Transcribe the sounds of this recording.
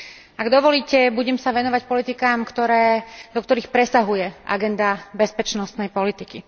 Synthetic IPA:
ʔaɡd̪ɔʋɔliːcɛbuɟɛmsaʋɛnɔʋacpɔlit̪ikaːmkt̪ɔɾɛːd̪ɔkt̪ɔɾiːxpɾɛsaɦujɛʔa̰ɡɛnd̪abɛspɛt͡ʃnɔst̪nɛjpɔlit̪iki

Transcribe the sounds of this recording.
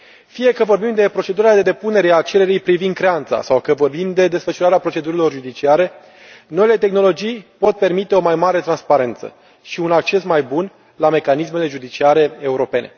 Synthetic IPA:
fije̞kəvo̞rbimd̪e̞pɾo̞t͡ʃe̞d̪uɾad̪e̞d̪e̞pune̞ɾe̞at͡ʃe̞ɾe̞ɾijpɾivind̪̚kɾe̞ant̪sa̰sawkəvo̞rbimd̪e̞d̪esfəʃuɾaɾeapɾot͡ʃe̞d̪uɾilo̞rʒud̪it͡ʃiaɾe̞ | no̞ile̞t̪e̞xno̞lo̞d͡ʒijpo̞t̪̚pe̞rmit̪e̞o̞majmaɾe̞t̪ɾanspaɾe̞nt̪sə̰ | ʃiunak̚t͡ʃe̞smajbun | lame̞kanisme̞le̞ʒud̪it͡ʃiaɾe̞euɾo̞pe̞ne̞̰

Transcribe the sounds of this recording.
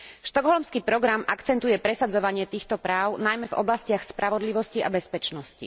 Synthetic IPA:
ʃt̪ɔɡɦɔlmskiːpɾɔɡɾamakt͡sɛnt̪ujɛpɾɛsad͡zɔʋaɲɪɛt̪iːxt̪ɔpɾaːʊnajmɛvɔ̰blascɪaxspɾaʋɔd̪liʋɔsciʔa̰bɛspɛt͡ʃnɔscḭ

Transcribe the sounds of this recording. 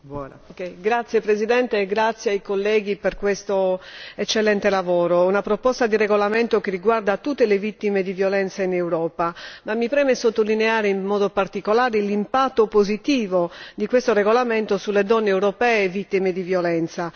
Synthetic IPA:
okɛjɡɾat̪sjepɾezid̪ɛnt̪eːɡɾat̪sjeajkolːɛːɡiperkwest̪oet͡ʃːelːɛnt̪elavɔːɾounapɾopɔst̪ad̪irɛɣolamɛnt̪okerːiɡward̪at̪ːut̪ːelevit̪ːimed̪ivjolɛnt̪sainewɾɔːpamamːipɾɛːmesot̪ːolineaːɾeimmɔːd̪opart̪ikolaːɾelimpat̪ːopozit̪iːvod̪ikwest̪orɛɣolamɛnt̪osuled̪ɔnːeːwɾopɛːvit̪ːimed̪ivjolɛnt̪sa

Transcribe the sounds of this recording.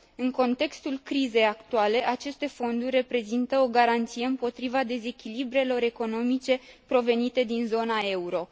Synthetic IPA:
ɨŋko̞nt̪e̞kst̪ulkɾize̞jakt̪uale̞ʔat͡ʃe̞st̪e̞fo̞nd̪urʲːe̞pɾe̞zint̪əoɡaɾant̪sijeɨmpo̞t̪ɾivad̪e̞ze̞kʲilibɾe̞lo̞ɾe̞ko̞no̞mit͡ʃe̞pɾo̞ve̞nit̪e̞d̪inzo̞nae̞uɾo̞

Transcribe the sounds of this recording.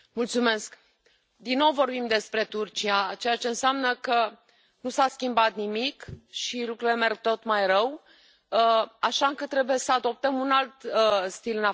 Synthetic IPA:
mult̪sume̞sk | d̪inːo̞wvo̞rbimd̪e̞spɾe̞t̪urt͡ʃiat͡ʃe̞jat͡ʃe̞ɨnseamnəkə | nusaskʲimbat̪nimikʃilukɾule̞me̞rɡ̚t̪o̞t̪majɾəw | aʃaɨŋkət̪ɾe̞buje̞səad̪o̞p̚t̪əmunalt̪st̪ilɨna

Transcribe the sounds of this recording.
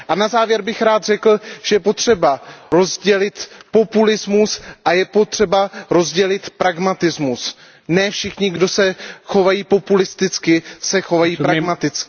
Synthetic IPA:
ʔanazaːvjɛɾbɪxɾaːd̪rɛkl̩ʒ̥ɛjɛpo̞t̪r̝̥ɛbaɾo̞zɟɛlɪt̪po̞pulɪzmusʔajɛpo̞t̪r̝̥ɛbaɾo̞zɟɛlɪt̪pɾaɡmat̪ɪzmus | nɛfʃɪxɲɪɡdo̞sɛxovajiːpo̞pulɪst̪ɪt͡skɪsɛxo̞vajiːpɾaɡmat̪ɪt͡skɪ

